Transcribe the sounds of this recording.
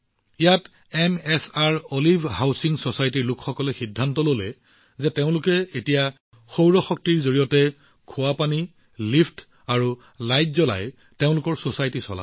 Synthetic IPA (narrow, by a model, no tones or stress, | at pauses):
ijat | ɛmɛsaɹolibʱhawsiŋsosajtiɹlʊkxɔkɔlɛxidʱːantɔlolɛ | zɛteʊ̃lʊkɛetija | xowɹɔxɔk̚tiɹzoɹijɔtɛ | kʰʊwapani | lipʰt | aɹu | lajt̚zɔla̰j | teʊ̃lʊkɔɹsosajtisɔ̰la̰